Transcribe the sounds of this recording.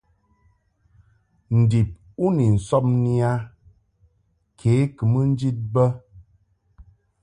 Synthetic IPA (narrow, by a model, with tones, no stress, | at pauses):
n̩˨di˨p̚ | u˦ni˨n̩˨sɔ˦p̚ni˦a˦ | kʰeː˨˦kɨ˨mə˦n˦d͡ʒi˦t̚bə˦